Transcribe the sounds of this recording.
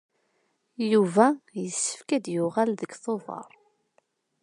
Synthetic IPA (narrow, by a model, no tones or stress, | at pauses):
juvæjəsːə̥fkæd̪jʊʁælðəɡθovɑ̰ɾˤ